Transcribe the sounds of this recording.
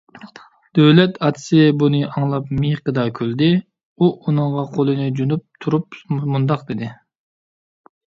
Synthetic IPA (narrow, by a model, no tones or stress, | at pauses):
d̪̥øwlɛt̪ʰɑt̪ʰɨ̥sɪbunɨʔɑŋlˠɑpmiqəd̪ɑkʲʰøld̪ɪ | uʔunɨɴʁɑqʰolˠɨnɨd͡ʒunup̚t̪ʰuɾup̚mund̪ɑqd̪ɪd̪ɪ